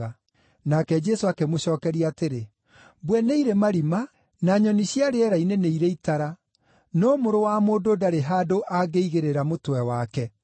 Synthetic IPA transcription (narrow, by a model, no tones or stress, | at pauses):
a | nakɛd͡ʒɛsoakemoɕɔːkɛɾiateɾe | bwɛneiɾemaɾima | naɲɔniɕiaɾeɛɾaineneiɾeitaɾa | nɔːmoɾowamoːdoːdaɾeɦadoʔaɡeiɣeɾeɾamotwɛwakɛ